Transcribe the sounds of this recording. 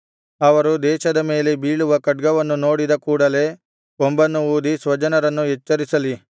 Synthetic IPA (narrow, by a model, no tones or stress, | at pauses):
ɐʋɐɾud̪ɛːʃɐd̪ɐme̞ːlebiːɭuʋɐkɐʈ̚ɡɐʋɐnːuno̞ːɽid̪ɐkuːɽɐle̞ː | ombɐnːuuːd̪isʋɐd͡ʒɐnɐɾɐnːuɦɛt͡ʃːɐɾisɐli